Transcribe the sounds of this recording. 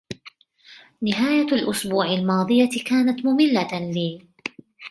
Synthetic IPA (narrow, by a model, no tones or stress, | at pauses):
nɪɦaːjalʔʊsbuːʕalmɑːd̪ˤɨjakaːnat̪mʊmɪlːaliː